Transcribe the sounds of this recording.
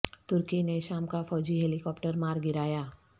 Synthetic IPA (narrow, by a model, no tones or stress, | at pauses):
t̪ʊɾkineʃaːmkafɔːd͡ʒiɦɛːlɪkɔːpʈəɾmaːɾɡɪɾaːjaː